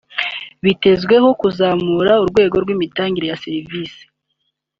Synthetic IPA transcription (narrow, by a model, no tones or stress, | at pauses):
βite̞zɡwe̞ho̞kuzaːmuːɾauɾɡwe̞ːɡo̞ɾɡwiːmitaːŋɟiɾe̞jaseɾiviːsi̥